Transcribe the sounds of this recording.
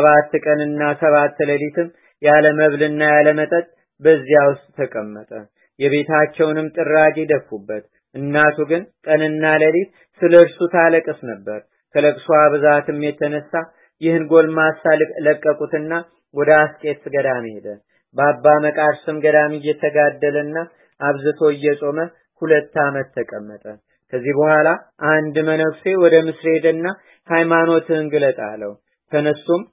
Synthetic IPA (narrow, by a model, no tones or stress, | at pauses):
səβat̪ːkʼənɨnːasəβat̪ːləlit̪ʰɨm | jaləməβlɨnːajaləmət̪ʼət̪ʼ | bəzːijawʊst̪ʼt̪ʰəkʼəmːət̪ʼə | jɛβe̞t̪ʰat͡ʃːɛwnɨmt̪ʼɨrːaɡed̪əfubːət̪ | ʔɨnːat̪ʰuɡɨnk̪ʼənɨnːaləlit̪ | sɨləɨɾsut̪ʰaləkʼɨsnəbːəɾ | kʰələkʼsuaβɨzat̪ɨmːjɛt̪ʰːənəsːa | jɪhɨnɡo̞lmasalləkʼːəkʼut̪ɨnːa | wɔd̪əaskʼe̞t̪ːɡəd̪amihed̪ə | bəabːaməkʼaɾsɨmɡəd̪amijːɛt̪ʰəɡad̪ːələnːa | ʔaβzɨt̪ʰo̞ɨjːɛsʼo̞mə | hulət̪ːamət̪ʰːəkʼəmːət̪ʼə | kʰəzːibəhʷalaʔand̪mənəβfe̞wɔd̪əmɨsɾe̞d̪ɨnːa | hajmano̞t̪ʰɨɨŋɡɨlət̪ʼa̰lːəwu | t̪ʰənəst̪um